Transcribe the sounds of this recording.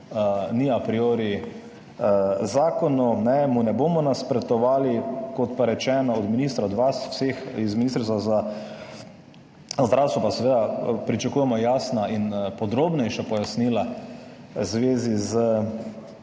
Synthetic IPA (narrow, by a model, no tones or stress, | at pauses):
əniapɾioːɾi | zaːkɔnunɛmunɛboːmɔnaspɾɛt̪ɔʋaːlikɔt̪paɾɛt͡ʃɛːnɔɔd̪minist̪ɾaɔd̪ʋaswsexizminist̪ɾsaza | zd̪ɾawst̪ʋɔpasɛʋeːd̪apɾit͡ʃakuːjɛmɔjaːsnainpɔd̪ɾoːbnɛjʃapɔjasnila | zʋeːzizə